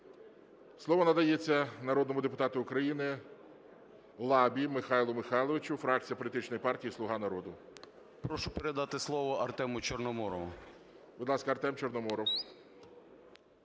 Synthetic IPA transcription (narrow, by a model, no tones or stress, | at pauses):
slˠɔʋɔnɐd̪ɐjet͡sʲːɐnɐɾɔd̪nɔmʊd̪epʊt̪ɑt̪ʊʊkɾɐjinɪ | lˠɑbʲimɪxɑjlˠʊmɪxɑjlˠɔʋɪt͡ʃʲʊfɾɑk̚t͡sʲijɐpɔlʲit̪ɪt͡ʃnɔjipɑrtʲijislˠʊɦɑnɐɾɔd̪ʊ | pɾɔʃʊpeɾed̪ɑt̪ɪslˠɔʋɔʔɐrt̪ɛmʊt͡ʃɔrnɔmɔɾɔʋʊ | bʊd̪lˠɑskɐɐrt̪ɛmt͡ʃernɔmɔɾɔw